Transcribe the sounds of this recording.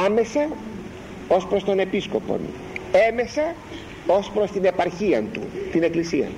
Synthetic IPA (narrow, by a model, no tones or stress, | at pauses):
ɐme̞sɐ | o̞spɾo̞st̪o̞ne̞pisko̞po̞̰n | e̞me̞sɐ | o̞spɾo̞st̪ine̞pɐɾçiɐnt̪ṵt̪ine̞klisiɐ̰